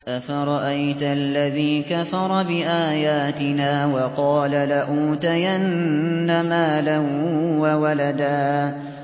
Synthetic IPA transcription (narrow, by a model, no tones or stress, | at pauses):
ʔafaɾˤɑʔajt̪ʔalːaðiːkafɑɾˤɑbɪʔaːjaːt̪ɪnaːwɑqɑːlalaʔuːt̪ajanːamaːlawawalad̪aː